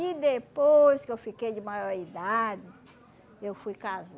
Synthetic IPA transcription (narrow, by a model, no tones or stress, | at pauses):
id̪epojskewfikejd͡ʒɪmajoɾid̪ad͡ʒɪ | ewfujkaz